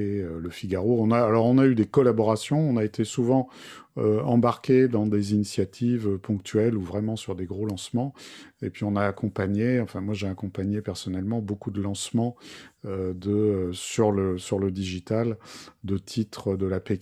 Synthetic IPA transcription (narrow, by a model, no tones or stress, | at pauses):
eøləfiɡaʁoɔ̃naːlɔʁɔ̃nayd̪ekɔlabɔʁasjɔ̃ɔ̃naet̪ʰesuvɑ̃øɑ̃baʁkʲed̪ɑ̃d̪ezinisjat̪ʰivøpɔ̃k̚t̪ʰɥɛluvʁɛmɑ̃syʁd̪eɡʁolɑ̃smɑ̃epɥiɔ̃naːkɔ̃paɲeɑ̃fɛ̃mwaʒeakɔ̃paɲepɛʁsɔnɛlmɑ̃bokud̪əlɑ̃smɑ̃ød̪əsyʁləsyʁləd̪iʒit̪ald̪ət̪ʰit̪χəd̪əlapek